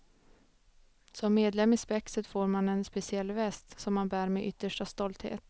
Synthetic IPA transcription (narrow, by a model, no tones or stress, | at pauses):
sɔmːeːd̪lɛmːɪspɛksət̪foːɾmanɛnspɛsɪɛlːvɛst̪sɔmːanbæːɾmeːʔʏt̪ːəʂʈast̪ɔlt̪hḛːt̪